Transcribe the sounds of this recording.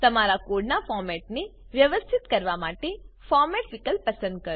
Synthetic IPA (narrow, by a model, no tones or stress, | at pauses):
t̪əmaɾakoɖnafɔɾmɛʈ̚neʋjəʋəst̪ʰit̪kəɾʋamaʈefɔɾmɛʈʋɪkəlpəsə̃nd̪̚kəɾ